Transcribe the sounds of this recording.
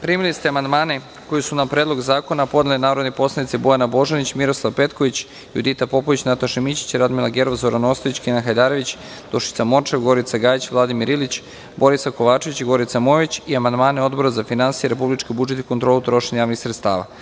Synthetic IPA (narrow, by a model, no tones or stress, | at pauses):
pɾiːmilist̪eamand̪maːne̞ | ko̞jesunapɾeːd̪lo̞ɡzaːko̞napo̞d̪elinaːɾo̞d̪nepo̞slˠanit̪sebo̞janabo̞ʒanit͡ɕmiɾo̞slˠaʋpe̞t̪ko̞ʋit͡ɕ | jṵd̪it̪apo̞poʋit͡ɕnat̪aʃemit͡ɕi̥t͡ɕiɾad̪milaɡeɾoʋazo̞ɾanost̪oit͡ɕkinaxajd̪aːɾo̞ʋit͡ɕ | d̪o̞ʃi̥t̪samo̞t͡ʃeɡo̞ɾit̪saɡaːjit͡ɕʋlˠad̪imiɾilit͡ɕ | bo̞ɾisako̞ʋaːt͡ʃe̞ʋit͡ɕiɡo̞ɾit̪samo̞ʋit͡ɕiamand̪maːneo̞d̪bo̞ɾazafinansijeɾe̞publit͡ʃkebud͡ʒe̞t̪i̥ko̞nt̪ɾolut̪ɾo̞ʃeɲajaːʋnixsɾet̪st̪a̰ːʋa̰